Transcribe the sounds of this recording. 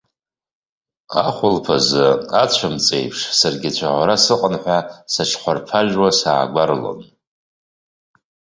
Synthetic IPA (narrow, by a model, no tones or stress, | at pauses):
a̰χʷʊlpʰazɨat͡ɕʷʰamt͡sʼejpʰʂsarɡʲɪt͡ɕʷʰaʕʷaɾasɨqʼənħʷᶣasaʈ͡ʂʰχʷarpʰaʒwasaːɡʷaɾlo̰n